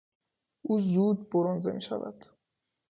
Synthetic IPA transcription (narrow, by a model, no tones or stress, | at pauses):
ʔuːzuːd̪̚boɾɔnzḛmḭːʃæ̰væ̰d̪̥